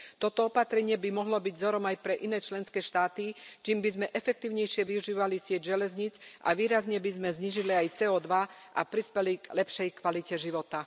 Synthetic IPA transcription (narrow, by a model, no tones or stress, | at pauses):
t̪ɔt̪ɔɔpat̪ɾɛɲɪɛbimɔɦlɔbiɟzɔɾɔmajpɾɛʔinɛːt͡ʃlɛnskɛːʃt̪aːt̪it͡ʃiːmbizmɛʔɛfɛk̚t̪iːʊɲɛjʃɪɛʋiuʒiːʋalisɪɛɟʒɛlɛzɲit͡sʔa̰ʋiːɾazɲɛbizmɛzɲiːʒiliajt͡sɛːɔːd̪ʋaʔa̰pɾispɛliɡlɛpʃɛjkʋalicɛʒiʋɔt̪a